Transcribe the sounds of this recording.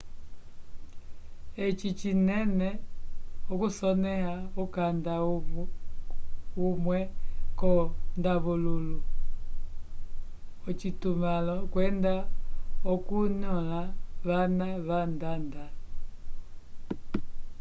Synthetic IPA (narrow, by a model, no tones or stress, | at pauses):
et͡ʃit͡ʃinɛnɛ | okusɔnɛɦaukanda | umwɛkɔndaβululu | ɔt͡ʃitumalɔkwɛndaokunɔlaβanaβandanda